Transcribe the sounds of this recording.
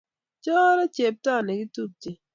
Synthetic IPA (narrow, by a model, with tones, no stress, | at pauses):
t͡ʃɔ˦ɾɔ˦t͡ʃe˨p̚tɔ˦˨nɛ˨ɡi˦tu˦p̚ti˦